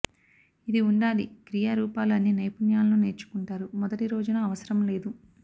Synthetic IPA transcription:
id̪iuɳɖaːlikɾijaːɾuːpaːlɐnːinɐjpunjaːlɐnuːne̞ːɾt͡ʃu̥kuɳʈaːɾumɔd̪ɐʈiɾo̞ːd͡ʒunɐːʋɐsɐɾɐmle̞ːd̪u

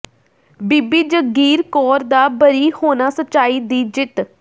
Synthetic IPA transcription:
biːbiːd͡ʒəɡiːɾkɔːɾd̪aːbəɾiːhoːnaːsətːt͡ʃaːiːd̪iːd͡ʒɪt̪

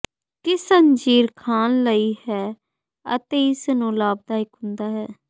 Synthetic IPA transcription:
kɪsəɲd͡ʒiːɾkʰaːnləiːhɛː | ə̰t̪eːɪsnũːlaːb̚d̪aːɪkɦʊ̃nd̪aːɦɛː

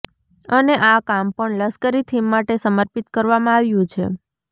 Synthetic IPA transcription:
əneʔakampəɳləskəɾit̪ʰimːaʈesəməɾpit̪kəɾʋamãaʋjũt͡ʃʰḛ

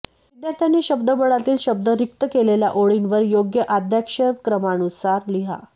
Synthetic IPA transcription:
ʋid̪jaɾt̪ʰjanːiːɕəbd̪əbəɽat̪iːlɕəb̚d̪əɾik̚t̪əkeleljaʔoɭinʋəɾjoɡjəʔad̪ʱjakʂəkɾəmanusaɾliɦa̰

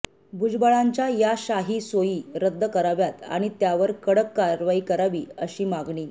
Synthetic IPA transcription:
bʱud͡zbəɭaɲt͡ɕjajaɕaɦiːsojiːɾəd̪ʱːəkəɾaʋjat̪a̰ɽ̃it̪jaʋəɾkəɽəkːaɾʋaikəɾaʋiːəɕiːmaɡɳiː

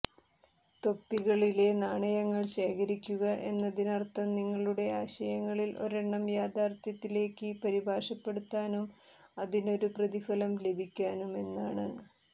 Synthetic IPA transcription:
t̪o̞pːiɣɐɭile̞naːɳɐjɐŋːɐɭɕe̞ːkʰɐɾikʲːuɣɐʔe̞nːɐðinɐrt̪ːɐmniŋːɐɭuɽe̞aːɕɐjɐŋːɐɭilʔo̞̰ɾeɳːɐmjaːd̪aːrt̪jɐt̪ːile̞ːkːɨpɐɾibʱaːʂɐpːe̞ɽut̪ːaːnum | ɐðino̞ɾuprɐðifɐlɐmle̞bʱikʲːaːnume̞nːaːɳɨ

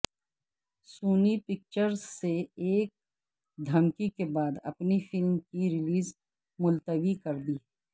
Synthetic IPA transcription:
suːnipɪk̚t͡ʃəɾzseeːk̚ | d̪ʱɐmkikebaːd̪ɐ̰pnifɪlmkiɾɪliːz | mʊlt̪əʋikɐɾd̪iː

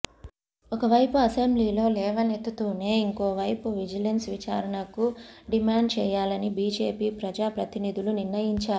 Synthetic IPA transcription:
ɔkɐʋɐjpuɐsembliːlo̞ːlɛːʋɐnet̪ːut̪uːne̞ːiŋko̞ːʋɐjpuʋid͡ʒɐlensʋit͡ʃa̰ːɾɐɳɐkuɖimaːɳɖ̚t͡ʃɛːjaːlɐnibiːd͡ʒe̞ːpiːpɾɐd͡ʒaːpɾɐt̪inid̪ʱuluniɾːɐjiɲt͡ʃaːɾu

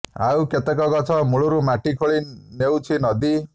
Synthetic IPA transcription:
a̰wket̪ekɔɡɔt͡ʃʰɔmuɭuɾumaʈikʰoɭinewt͡ʃʰinʌd̪i

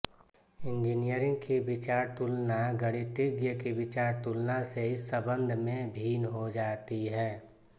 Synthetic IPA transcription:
ɪ̃nd͡ʒinijəɾɪ̃ŋɡkibɪt͡ʃaːɾt̪ʊlnaɡəɽ̃it̪ɪɡjəkibɪt͡ʃaːɾt̪ulnaseɪsːəbə̃nd̪ʱmẽbʱiːnɦod͡ʒaːt̪iɦɛː

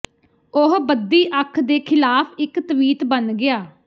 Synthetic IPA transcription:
ʊɦbəd̪iːʔəkʰd̪eːkʰɪlaːpʰɪkt̪əʋiːt̪bənɡɪaː

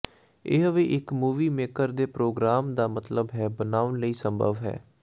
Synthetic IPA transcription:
eːɦəʋeːʔɪkmuːʋiːmeːkəɾd̪eːpɾoːɡɾaːmd̪aːmət̪ləbɦɛːbənaːʊnləiːsəmbʱə̰ʋɦɛ̰ː

